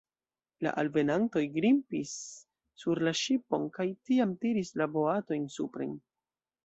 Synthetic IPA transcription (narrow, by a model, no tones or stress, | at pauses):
la̰ʔalve̞nanto̞jɡɾimpisː | uɾlaʃipo̞nkajtiamtiɾislabo̞ato̞jnsupɾe̞̰n